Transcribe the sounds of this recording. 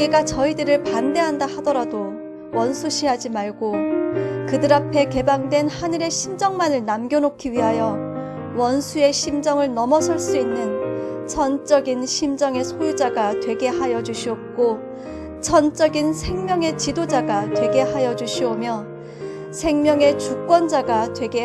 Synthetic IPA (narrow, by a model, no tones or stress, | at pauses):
eɡat͡ɕʌidɯɾɯɭpande̞ɦandahadʌɾado | wʌnsʰuɕʰiɦad͡ʑimaɭɡo | kɯdɯɾapʰe̞ke̞baŋdwe̞nhanɯɾe̞ɕʰimd͡ʑʌŋmanɯɭnamɡʲjonokʰiɥiɦajʌ | wʌnsʰue̞ɕʰimd͡ʑʌŋɯɭnʌmʌsʰʌɭs͈uinːɯnt͡ɕʰʌnt͡ɕ͈ʌɡinɕʰimd͡ʑʌŋe̞sʰojud͡ʑaɡatwe̞ɡe̞hajʌd͡ʑuɕʰiʌp̚k͈o | t͡ɕʰʌnt͡ɕ͈ʌɡinsʰe̞ŋmjʌŋe̞t͡ɕidod͡ʑaɡatwe̞ɡe̞hajʌd͡ʑuɕʰiomjʌ | sʰe̞ŋmjʌŋe̞t͡ɕuk͈wʌnd͡ʑaɡatwe̞ɡe